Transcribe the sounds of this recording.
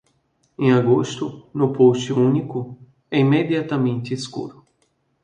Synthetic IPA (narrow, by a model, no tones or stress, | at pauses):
ẽaɡost̪ʊnʊpost͡ʃɪũnikʊ | ɛimed̪iat̪amẽnt̪ɪskṵɾʊ